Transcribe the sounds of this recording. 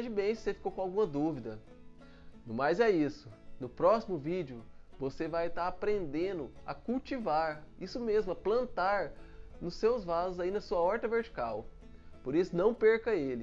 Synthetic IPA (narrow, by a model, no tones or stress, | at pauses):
d͡ʒɪbẽj̃sɪ̥sefi̥kowkõawɡũmɐd̪uvid̪ɐ | nʊ̃majzɛisʊnʊpɾɔsimʊvid͡ʒiʊvosevajt̪aɾapɾẽnd̪ẽnd̪ʊɐ̰kuwt͡ʃivaɾ | isʊmezmʊɐplɐ̃nt̪aɾ | nʊsːewzvazʊzainɐsuɐɔɾt̪ɐveɾt͡ʃi̥kaw | poɾisʊnɐ̃w̃peɾkɐelɪ